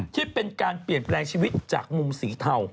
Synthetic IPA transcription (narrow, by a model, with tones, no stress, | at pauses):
t̪ʰiː˥˩pe˧nkaː˧npli˨˩ənplɛː˧ŋt͡ɕʰiː˧wi˦˥t̪̚t͡ɕa̰ː˨˩k̚mu˧msiː˩˦t̪ʰa˧w